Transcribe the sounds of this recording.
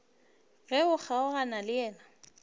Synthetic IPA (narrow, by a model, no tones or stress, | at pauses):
ɣɛʊk͡xaʊɣanalɪjɛːna